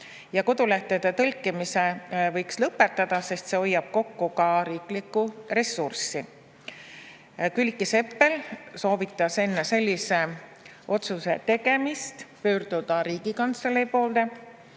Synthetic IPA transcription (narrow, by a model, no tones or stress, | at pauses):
jɑko̞d̪ulæht̪ed̪̥et̪ɤlʲkːˑimise̞vɤ̞jkslɤpːˑet̪ːˑɑd̪̥ɑse̞st̪seo̞jːɑb̥̚ko̞kːukɑɾiːklikːˑure̞sːursi | kylʲkːˑise̞pːe̞lso̞ːvit̪ːˑɑse̞nːese̞lʲːise̞ | ʔo̞t̪suse̞̰t̪e̞ɡe̞mist̪pø̞ːrd̪̥ud̪̥ɑɾiːɡikɑnt̪selejpo̞ːld̪e̞